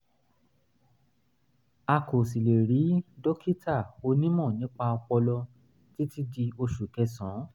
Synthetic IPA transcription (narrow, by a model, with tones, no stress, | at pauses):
a˧ko˨si˨le˨ɾi˨˦dɔ˦kʰi˦ta˦˨o˧˦nĩ˦mɔ̃˦˨nĩ˨˦k͡pa˧ɔ˧k͡pɔ˧lɔ˧ | ti˦ti˦di˧o˧ʃu˨kɛ˧sɔ̃˨˦